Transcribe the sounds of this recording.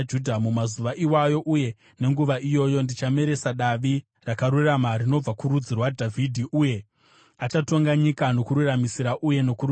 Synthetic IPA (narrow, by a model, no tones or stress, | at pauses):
d͡ʒudʱamumazuʋaʔiwajo̞ʔuje̞ | ne̞ŋɡuʋaʔijo̞jo̞ndit͡ʃame̞ɾe̞saɗaʋi | rakaɾuramarino̞b͡vakuɾud͡zirwadʱavʱidʱiʔuje̞ | at͡ʃato̞ŋɡaɲikano̞kuɾuramisiɾaʔuje̞no̞kur